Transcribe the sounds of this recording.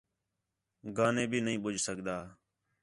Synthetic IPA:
ɡaːnẽːbʱiːnəɦĩːɓʊd͡ʒʱsəkd̪aː

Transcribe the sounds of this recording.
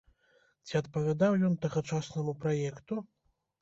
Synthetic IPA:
t͡sʲiɐt̪pɐvʲad̪awjɔnt̪ɐɣɐt͡ʂasnɐmupɾajɛkt̪u

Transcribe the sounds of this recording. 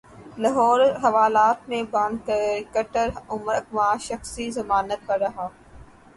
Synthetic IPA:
lɐɦɔːɾɦɐʋaːlaːt̪̚mẽbãnd̪kkəʈəɾʊmɾəkmãːʃɐxsizɐmaːnət̪̚pɐɾːɐɦaː

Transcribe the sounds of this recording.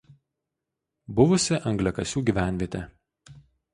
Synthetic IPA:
bʊʋʊsʲɪʔɐŋɡlʲɛkɐsʲuːɡʲiˑʋʲæˑnʲʋʲiɛt̪ʲɛ

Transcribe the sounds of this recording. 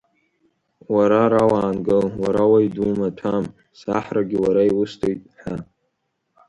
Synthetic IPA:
waɾaɾawaːnɡɨlwaɾawaidumatʰam | saħraɡʲɪwaɾaiwʊstʰojtʼħʷa

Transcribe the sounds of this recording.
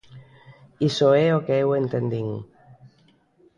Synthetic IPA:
isoeokeewent̪end̪iŋ

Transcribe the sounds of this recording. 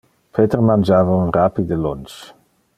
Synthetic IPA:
pʰet̪əʁmand͡ʒaːvaunʁapid̪əlɔnt͡ʃ

